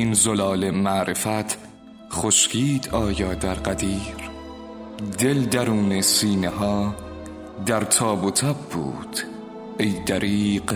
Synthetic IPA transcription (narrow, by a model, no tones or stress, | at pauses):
inzolɒːle̞mæʔɾefæt̪ʰ | χoʃkiːd̪ɒːjɒːd̪æɾɢæd̪iːɾ | d̪eld̪æɾuːnesiːneɦɒː | d̪æɾt̪ʰɒːbot̪ʰæbːṵːd̪̥ | ejd̪æɾiːq